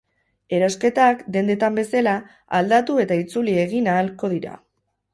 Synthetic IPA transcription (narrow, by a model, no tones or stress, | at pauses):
e̞ɾaske̞t̪akd̪e̞nd̪e̞t̪ambe̞sala | ald̪at̪ue̞t̪ait͡sulie̞ɣinaːlko̞ðiɾa̰